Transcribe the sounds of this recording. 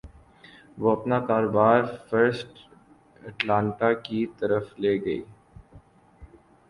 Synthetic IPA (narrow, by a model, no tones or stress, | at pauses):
ʋoɐpnakaːɾoːbaːɾfəɾsʈ | ɐʈlãːɳʈakit̪ɐɾəfleːɡɐḭː